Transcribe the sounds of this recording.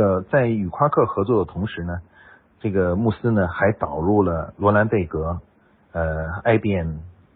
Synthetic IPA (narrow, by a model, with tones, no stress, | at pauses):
ə˩t͡sa˥˩ɪy˨˩kʰwa˥kʰɤ˥˩xɤ˧˥t͡swɔ˥˩d̪ə˩t̪ʰʊ˧˥ŋʂɻ̩˧˥nə˧ | ʈ͡ʂɤ˥˩ɡə˩mu˥˩sɹ̩˥nə˨˧xa˧˥ɪt̪ɑ˨˩ʊɻu˥˩lə˩lwɔ˧˥la˧˥nt̪e˥˩ɪkɤ˧˥ | ə˧a˥˧ɪpjɛ˥˩n